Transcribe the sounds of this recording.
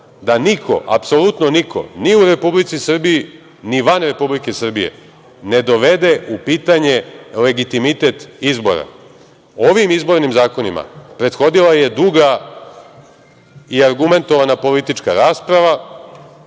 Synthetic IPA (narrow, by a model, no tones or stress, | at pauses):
d̪anikʰo̞̰ʔa̰pso̞lˠut̪nonikʰo̞̰niuɾe̞publit̪sisr̩biji | niʋanɾe̞publikesr̩bije̞̰ | ne̞d̪o̞ʋe̞d̪e̞upiːt̪aɲe̞le̞ɡit̪imit̪e̞t̪izbo̞̰ɾa̰ | oʋimizbo̞ɾnimzaːko̞nima̰pɾe̞t̪xo̞d̪ilaje̞d̪uɡa | iaɾɡume̞nt̪o̞ʋanapo̞lit̪it͡ʃkaɾaːspɾaʋa